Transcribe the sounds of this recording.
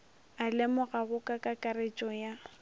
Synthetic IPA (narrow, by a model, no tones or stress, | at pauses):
alɛmʊɣaɣʊkʼakʼakʼaɾet͡ʃʼɔja